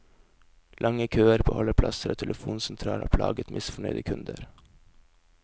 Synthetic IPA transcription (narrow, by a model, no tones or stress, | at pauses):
lʔɑŋəkʰøːəɾbohɔləpʰlɑsəɾo̰ːt̪ʰɛlʔəfuːnsɛnt̪ʰɾɑːlo̰ːpʰlɑ̰ːɡət̪mʔɪsfɔɳœʏd̪əkʰʉnd̪əɾ